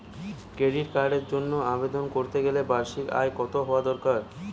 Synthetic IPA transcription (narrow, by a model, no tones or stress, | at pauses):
keɽiɾkaɖeɾd͡ʑonːoabed̪onkoɾt̪eɡelebaɾʃika̰ekɔt̪oɦɔoad̪ɔɾkaɾ